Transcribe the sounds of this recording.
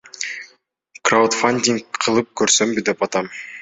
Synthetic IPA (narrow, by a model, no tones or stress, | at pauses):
krawt̪fanʲdʲiŋkqʰɯlˠɯp̚kʰøɾsømbid̪e̞pɑt̪ɑm